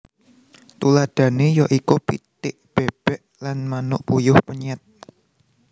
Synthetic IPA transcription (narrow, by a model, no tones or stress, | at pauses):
t̪ulad̪̥ä̤nejɔʔikupit̪ɪʔb̥eb̥ɛʔ | lanmanʊʔpujʊhpəɲɛt̪̚